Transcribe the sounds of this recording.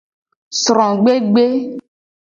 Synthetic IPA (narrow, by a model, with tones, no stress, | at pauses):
sɾɔ̃˨ɡ͡be˦ɡ͡be˦